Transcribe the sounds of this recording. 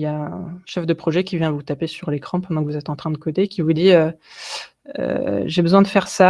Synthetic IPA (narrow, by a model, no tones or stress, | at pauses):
jaɛ̃ʃɛfd̪əpχɔʒɛkʲivjɛ̃vut̪apesyʁlekχɑ̃pɑ̃d̪ɑ̃kəvuzɛt̪ɑ̃t̪χɛ̃d̪əkɔd̪ekʲivud̪iø | ø̰ʒebəzwɛ̃d̪əfɛʁsa